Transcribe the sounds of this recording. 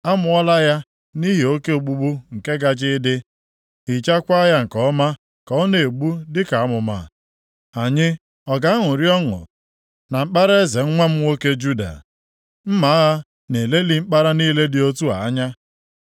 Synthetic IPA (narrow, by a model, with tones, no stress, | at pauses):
a˦mʊ˦ɔ˦la˦ja˦ | ni˦ɦi˨o˦ke˦o˨ɡ͡bu˦ɡ͡bu˦ŋ̩˨ke˦ɡa˦d͡ʒɪ˦dɪ˦ | i˨t͡ʃa˦kʷa˦ja˦ŋ̩˨kɔ˦ma˦ | kɔ˨ɔ˦ne˨e˨ɡ͡bu˦dɪ˦ka˨a˦mʊ˨ma̰˨ | a˨ɲɪ˦ | ɔ˨ɡa˨a˦ŋʊ˨ɾi˦ɔ˦ŋʊ̰˨ | na˨m̩˦k͡pa˦ɾe˦e˦ze˨ŋ̩˦ŋʷa˦m̩˦wo˦ke˦d͡ʒu˦da̰˨ | m̩˦ma˨˦a˦ɦa˦ | ne˨le˦li˨m̩˦k͡pa˦ɾa˦niː˦le˦dɪ˨o˦tu˦a̰˨a˦ɲa˦